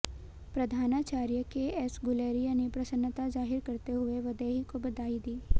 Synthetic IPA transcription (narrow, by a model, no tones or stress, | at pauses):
pɾɐd̪ʱaːnat͡ʃaːɾjəkeɛːsɡʊleːɾijanepɾɐsənːət̪azaːɦɪɾkɐɾt̪eɦʊeʋɐd̪əɦikobɐd̪aːid̪iː